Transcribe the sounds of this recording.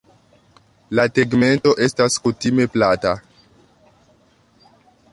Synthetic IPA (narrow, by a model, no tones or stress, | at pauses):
lateɡme̞nto̞ʔe̞staskutime̞plata